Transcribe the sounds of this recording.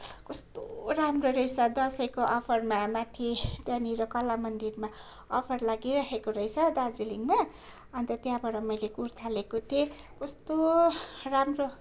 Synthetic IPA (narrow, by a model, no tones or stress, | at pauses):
kʌst̪oramroɾʌjsʌd̪ʌsʌjkoʔʌpʰʌrmamat̪ʰit̪jãniɾʌkʌlamʌnd̪irma | ʌpʰʌrlaɡiɾʌɦekoɾʌjsʰʌd̪ard͡ziliŋɡma | ʌnt̪ʌt̪jãbʌɽʌmʌjlekuɾt̪ʰalekot̪ʰie | kʌst̪oramro